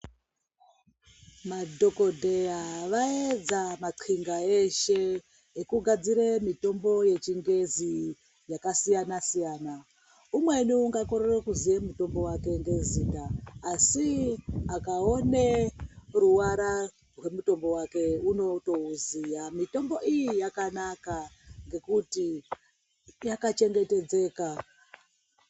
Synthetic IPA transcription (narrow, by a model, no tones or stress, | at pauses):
madʱo̞ko̞dʱejaʋaed͡zamaǃʰiŋɡaeʃeː | kuɡʱad͡ziɾemito̞mbo̞je̞t͡ʃiŋɡe̞zi | jakasijanasijaːna | umwe̞nuːŋɡako̞ɾerekuzijemuto̞mbo̞wake̞ŋɡe̞ziːtaːsiakao̞neruwaɾa | rwe̞muto̞mbo̞wake̞uno̞to̞uzijamito̞mbo̞ijijakanakaŋɡe̞kuti | jakat͡ʃe̞ŋɡe̞te̞d͡ze̞ːka